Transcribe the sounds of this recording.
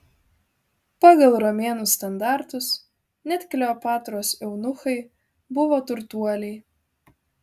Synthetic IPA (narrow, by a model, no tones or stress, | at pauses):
pɑːɡɐlˠɾɔmʲeːnʊst̪ɐnd̪ɑˑɾt̪ʊs | nʲɛt̪ʲkʲlʲɛoːpɑːt̪ɾoːsɛʊnʊxɐɪ | bʊʋoːt̪ʊɾt̪uɔlʲɛɪ